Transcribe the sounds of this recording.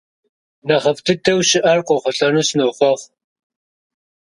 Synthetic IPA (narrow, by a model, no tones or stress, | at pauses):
nɐχɐftʰɨtʰɐwʃɪʔɐrqʷʼɔχʷʊɬɐnusnɨwχʷɔʁ